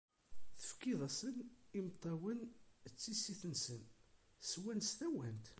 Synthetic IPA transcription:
θə̥fkːiðˤæsənimt̪ˤːɑwənt͡sːisiθənsənswænst̪æwænt̪

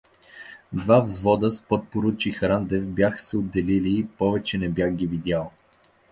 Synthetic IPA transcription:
d̪vavzvɔd̪əspɔt̪̚poɾut͡ʃixɾand̪ɛfbʲjaxə̥sɛod̪ːɛliliːpɔvɛt͡ʃɛnɛbjaxɡʲivid̪ʲjalˠ

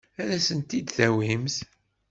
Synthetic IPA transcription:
æɾæsənt̪id̪θæwimθ

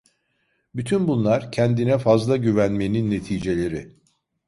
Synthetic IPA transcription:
byt̪ʰynbunlˠaɾcʰɛnd̪inɛfazlˠaɟyvænme̞ninːe̞t̪ʰiːd͡ʒe̞lʲe̞ɾɪ

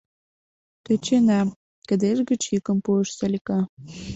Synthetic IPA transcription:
t̪ə̆t͡ɕenæ | kə̆d̪eʒɡə̆t͡ɕjikə̆mpuəʃsalʲikɑ

